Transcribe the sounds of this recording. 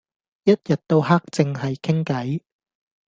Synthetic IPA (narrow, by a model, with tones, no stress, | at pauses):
jɐ˥t̚jɐ˨t̚t̪o˧whaː˥k̚t͡sɪ˨ŋɦɐ˨jkʰɪ˥ŋkɐ˨˥j